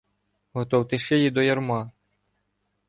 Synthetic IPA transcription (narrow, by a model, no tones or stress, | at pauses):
ɦɔt̪ɔwt̪ɪʃt͡ʃɛjid̪ɔjɐrmɑ